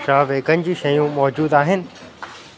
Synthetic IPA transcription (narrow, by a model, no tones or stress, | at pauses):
ʃaːʋekənɪ̆d͡ʑiʃɐjũmɔːd͡ʑuːd̪aːɦɪnɪ̆